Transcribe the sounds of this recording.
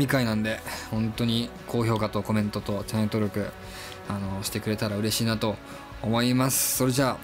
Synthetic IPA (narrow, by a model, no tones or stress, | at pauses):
mʲikainãnd̪e̞hõ̞nt̪o̞ɲ̟ikʰo̞ːço̞ːkat̪o̞ko̞mẽ̞nt̪o̞t̪o̞t͡ɕãt̪o̞ɾʲo̞kɯ̟ | ano̞ɕi̥t̪e̞kɯ̟ɾe̞t̪aɾaɯ̟ɾe̞ɕiːnat̪o̞ː | mo̞imasɨ̥so̞ɾe̞ʑa